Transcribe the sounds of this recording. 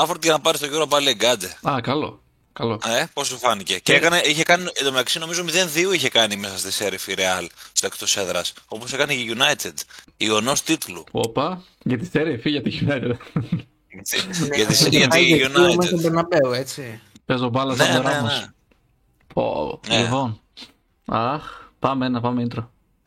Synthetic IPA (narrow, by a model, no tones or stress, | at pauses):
ɐfoɾt̪iʝɐnɐpɐɾist̪oʝoɾop̬ɐlieɡɐd̪eɐkɐlo̞̰ | kɐlo̞eposufɐnice̞ceekɐneiçekɐnied̪omeɐksino̞mizomiðe̞nðioiçe̞kɐnimesɐst̪iseɾifiɾeɐlst̪oekt̪oseðɾɐso̞po̞sekɐneʝʝunɐjt̪ed̪ionost̪it̪luo̰pɐ | ʝɐt̪iseɾefiʝɐt̪iʝunɐjt̪e | eiʝɐt̪isʝɐieuniɐmɐebeɾnɐbeoet͡sipezt̪obɐlɐsɐoɾɐmɐs | o̰nlivon | ɐxpɐmeenɐpɐmeint̪ɾo